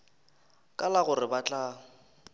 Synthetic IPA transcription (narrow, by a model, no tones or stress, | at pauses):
kʼalaɣʊrɪbat͡ɬʼa